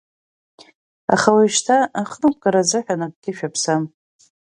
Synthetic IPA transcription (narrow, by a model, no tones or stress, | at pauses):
a̰χawaʃtʰaaχnɨk̚ʷʰʼɡʼaɾazɨħᶣanak̚ɡʲɪʃᶣapʰsam